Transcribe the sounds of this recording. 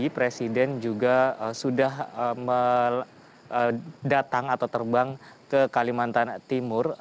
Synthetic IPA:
ipɾesidɛnd͡ʒuɡaəsudahəmə | ədat̪aŋat̪awt̪ərbaŋkəkalimant̪ant̪imʊr

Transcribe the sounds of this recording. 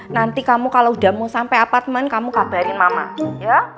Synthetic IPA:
nant̪ikamukaloudahmusampajapart̪̚mənkamukab̥aɾɪnmama̰ja

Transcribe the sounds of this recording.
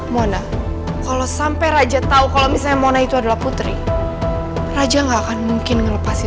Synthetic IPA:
mona | kalosampajɾad͡ʒat̪aukalomisalɲamonait̪uadalahput̪ɾḭ | rad͡ʒaŋɡaːkanmuŋkɪnŋələpasi

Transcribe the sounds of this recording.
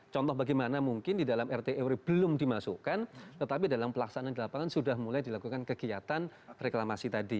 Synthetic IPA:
t͡ʃɔnt̪ɔɦbaɡɛjmanamuŋkɪndidalamɛrt̪eʔɛwɾib̥əlʊmdimasukant̪ət̪ap̬idalampəlaksanandilapaŋansudahmulajdilakukankəɡiat̪anreklamasit̪adi

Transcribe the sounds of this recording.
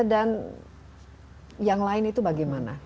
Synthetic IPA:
dan | jaŋlaɪnit̪ubaɡɛjmana̰

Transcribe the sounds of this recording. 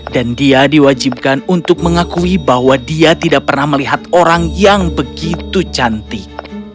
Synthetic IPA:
dandiadiwad͡ʒib̚kanunt̪ʊk̚məŋakuibahwadiat̪idaʔ̚pərnahməliɦat̪̚oɾaŋjaŋbəɡit̪ut͡ʃant̪i

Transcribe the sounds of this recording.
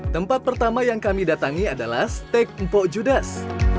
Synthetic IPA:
t̪əmpat̪̚pərt̪amajaŋkamidat̪aŋiadalast̪ɛk̚m̩poʔd͡ʒudas

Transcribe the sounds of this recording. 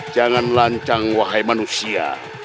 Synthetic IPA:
d͡ʒaŋanlaɲt͡ʃaŋwaɦajmanusia̰

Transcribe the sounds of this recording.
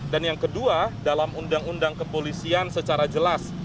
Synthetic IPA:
danjaŋkəduadalamundaŋundaŋkəpolisiansət͡ʃaɾad͡ʒəlas

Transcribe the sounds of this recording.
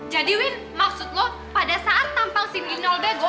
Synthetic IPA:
d͡ʒadiwin | maksut̪̚lɔ | padasaʔat̪ːampaŋsininɔldeɡ

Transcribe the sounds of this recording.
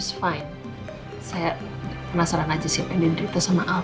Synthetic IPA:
sfaɪn | saja | pnasaɾanad͡ʒasapɛndindɾit̪əsamaʔa

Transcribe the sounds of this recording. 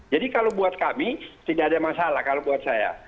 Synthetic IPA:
d͡ʒadikalobuat̪̚kamit̪idaʔːdamasalahkalobuat̪̚saja̰

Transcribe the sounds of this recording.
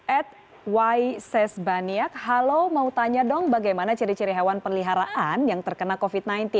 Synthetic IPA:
ʔɛt̪̚ | wajsɛsbaniak̚ɦalomaut̪aɲadɔŋbaɡajmanat͡ʃəɾit͡ʃəɾiɦawanpərliɦaɾaʔanjaŋt̪ərkənakofit̪̚najnt̪i

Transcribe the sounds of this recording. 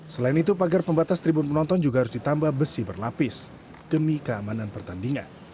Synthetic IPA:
səlaɪnit̪upaɡarpəmbat̪ast̪ɾibʊnpənɔnt̪ɔnd͡ʒuɡahaɾʊsdit̪ambahbəsɪbərlapɪs | d̥əmikəamananpərt̪andiŋa̰n

